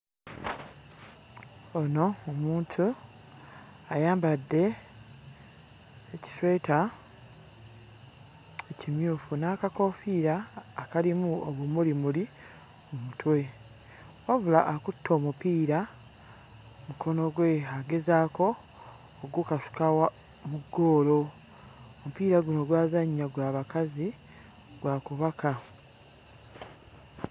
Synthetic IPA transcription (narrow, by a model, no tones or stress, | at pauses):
ono̞omuːntʰu | ajaːmbadːe̞ | ci̥swe̞ːta | ecimjuːfunaːkako̞fiːɾaːkalimuoβumulimuli | omutwe | wavulaʔakutʰːo̞ːmupiːɾa | mukʰo̞no̞ɡwe̞ɦaɡe̞zaːko̞ː | ɡukasu̥kawa | muɡːo̞ːlo̞ | omupiːɾaɡuno̞ɡwaːzaɲːaɡwaːβakazi | ɡ̥wakuβakʰa